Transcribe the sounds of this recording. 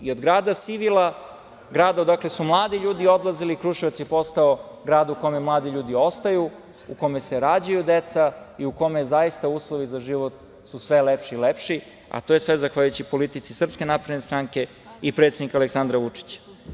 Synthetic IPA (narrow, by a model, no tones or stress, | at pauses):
iod̪ɡɾaːd̪at̪siʋilˠa | ɡɾaːd̪ad̪akle̞sumlˠaːd̪iʎuːd̪io̞d̪lˠaziliːkɾuʃiʋat̪sjepo̞st̪ao | ɡɾaːd̪uko̞memlˠaːd̪iʎuːd̪io̞st̪ajuː | ko̞me̞seɾaːd͡ʑajud̪et̪saiuko̞mezaist̪auːslˠoʋizaʒiʋot̪ | susʋelepʃilepʃi | a̰t̪ojesʋezaxʋaʎjujut͡ɕipo̞lit̪it̪sisr̩pske̞napɾe̞d̪nest̪ɾaŋke̞ | ipɾet̪sed̪nikaleksand̪ɾaʋut͡ʂi̥t͡ɕḁ